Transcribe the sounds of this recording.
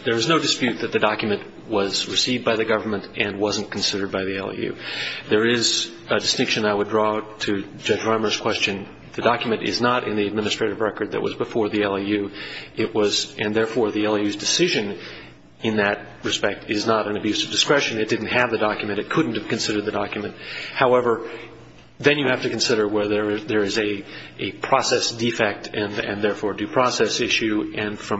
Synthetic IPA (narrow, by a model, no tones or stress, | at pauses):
ðə˞ɨznoʊdɨspjʉt̪̚ðɨt̪̚ðɨdɑkjɨmɨ̃nʔ | wʌzɹɨsivd̚baɪðɨɡʌvə˞mə̃ntɨ̃nwʌz̃n̩kʰn̩sɪɾə˞d̚baɪðiɛ̰lˠḭjʉ̰ðə˞ɪz | ɨdɨstɪ̃ŋkʃɨ̃naɪwədɹɔɾʰɨ | d͡ʒʌd͡ʒɹɑ̃mə˞z̥kʰw̥ɛst͡ʃɨ̃n | ðɨdɑkjɨmɨ̃ñtɪ̰znəɾɪ̰̃nðiɨd̚mɪ̃nɨstɹ̥eɪɾɨvɹɛkə˞d̪̚ðɨ̰ʔ̚wʌ̰zbəfɔɹðiɛlˠijʉʔɪʔ̚wʌzɨ̃nðɛɹfɔɹðiɛlˠijʉzdɨsɪʒɨ̃n | ɨ̃nðɨt̚ | ɹɨspɛk̚tɪznəɾɨ̃nɨbjʉsʌvdɨskɹɛʃɨ̃nɨt̚d̥ɪdⁿn̩t̚hɨvðɨdɑkjɨmɨ̃ñɨt̚kʰʊdⁿn̩t̚hɨv̥kɨ̃nsɪɾə˞d̪̚ðɨdɑkjmɨ̃nt̚haʊɛvə˞ | ðɨ̃njɨhæftɨkɨ̃n̩sɪɾə˞wɛðə˞ðə˞ɨzɨɨpʰɹ̥ɑsɛsd̥ifɛk̚tʰɨ̃nɨ̰̃nðɛɹfɔɹdɨpʰɹ̥ɑsɛsɪʃʉɨ̃nfɹʌ̃